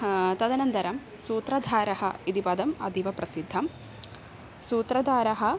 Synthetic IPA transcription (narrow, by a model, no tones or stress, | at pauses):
t̪ɐd̪ɐnɐnd̪ɐɾɐm | suːt̪ɾɐd̪ʱaːɾɐhɐ̰id̪ipɐd̪ɐmɐ̰d̪ʱiʋɐpɾɐsid̪ʱːɐm | suːt̪ɾɐd̪ʱaːɾɐɦɐ̆